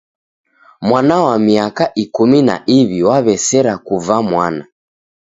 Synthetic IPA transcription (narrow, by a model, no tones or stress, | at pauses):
mwanawamiakaʔikumina̰ʔiβiwaβɛsɛɾakuvamwana